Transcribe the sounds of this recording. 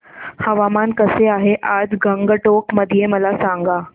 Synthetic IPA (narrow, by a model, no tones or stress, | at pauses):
həʋamankəseaɦeʔad͡zɡəŋɡəʈokməd̪ʱijeməlasaŋɡa